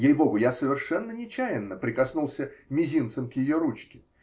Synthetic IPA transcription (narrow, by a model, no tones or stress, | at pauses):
jejbo̞ɡʊjasəvʲɪrʂɛnːənʲɪt͡ɕæjɪnːəpɾʲɪkɐsnulˠsʲəmʲɪzʲint̪səmkjɪjoɾut͡ɕkʲɪ